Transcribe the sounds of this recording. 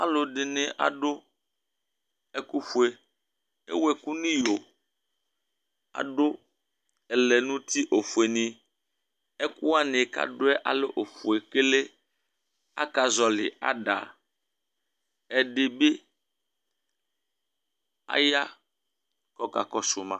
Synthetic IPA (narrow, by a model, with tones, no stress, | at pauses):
a̰˨lo˨ɖe˨ne˨ʔa̰˨ɖo˦ | e˦ku˦ɸu˨e˨ | ḛ˦we˨ku˦nĩ˦jo˨ | a̰˨ɖo˦ | ɛ˨le˨nũ˦t̪i˦ʔo˨fu˨e˨nĩ˦ | e˦ku˦wa˦ne˨ka̰˨ɖʊ˦ɛ˦ʔa̰˨le˦ʔo˨ɸu˨e˨ke˦le˦ | a̰˦ka˨zɔ˨lɪ̰˨a̰˨ɖa̰˨ | ɛ˨ɖe˨be˦ | a̰˦ja˦ | kɔ˨ka̰˨kɔ˨su˨mã˨